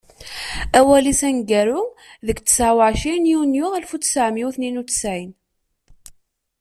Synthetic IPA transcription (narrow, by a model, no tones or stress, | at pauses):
æwælisænɡæɾʊðəkt͡sːə̥sʕwəʕʃinjunjʊælfut͡ssəʕmiuθninut͡sːə̥sʕin